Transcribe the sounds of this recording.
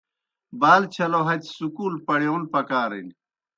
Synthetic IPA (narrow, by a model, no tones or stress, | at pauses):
baːlt͡ɕʰɐloɦɐt̪sukuːlpɐɳjonpɐkaːɾḭn